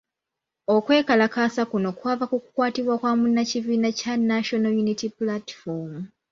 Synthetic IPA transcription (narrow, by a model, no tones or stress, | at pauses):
o̞kwe̞ːkalakasakuno̞kwaːvakuku̥kwaːtiβwakwaːmunːaciviːnacanaʃo̞nojunitiplatfomu